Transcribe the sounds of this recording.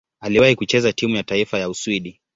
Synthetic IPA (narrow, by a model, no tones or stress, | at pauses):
aliwahikut͡ʃɛzatimujataifajauswiɗi